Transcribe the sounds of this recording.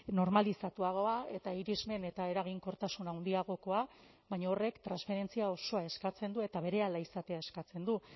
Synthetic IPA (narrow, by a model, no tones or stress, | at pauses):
no̞ɾmalisat̪uaɣ̞o̞ae̞t̪aiɾizme̞ne̞t̪ae̞ɾaɣ̞iŋko̞ɾt̪asunawnd̪iaɣ̞o̞ko̞a | βaɲaore̞kt̪ɾansfe̞ɾe̞nt͡siao̞so̞ae̞skat͡se̞nd̪ue̞t̪aβe̞ɾe̞alaisat̪e̞ae̞skat͡se̞nd̪u